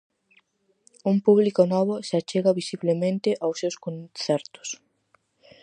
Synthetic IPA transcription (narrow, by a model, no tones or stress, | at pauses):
umpuβlikʊnɔβʊsat͡ʃeɣɐβisiβlemẽnt̪ɪʔawsewskonθɛɾt̪ʊ̥s